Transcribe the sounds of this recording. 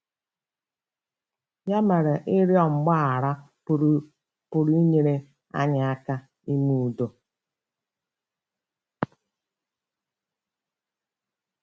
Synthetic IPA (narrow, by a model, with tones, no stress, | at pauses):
ja˦ma˨ɾa˨ʔɪ˦ɾi˦ɔ˨ŋ͡m̩˨ɡ͡ba˦a˨ɾa˦˨ | pʊ˨ɾi˦ɲe˨ɾe˦ | a̰˦ɲa˨a˦ka˦ | i˦mu˦˨u˨do˨